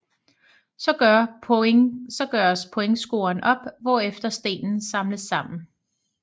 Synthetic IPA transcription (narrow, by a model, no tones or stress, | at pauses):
sɒ̽ɡ̥ɶɐ | sɒ̽ɡ̥ɶːɐspʰoeŋsɡ̥o̝̰ːɐnʔɒ̽b̥ʋɒ̰ːefd̥ɐsd̥e̝̰ːnn̩sɑ̈mləsːɑ̈m̰n̩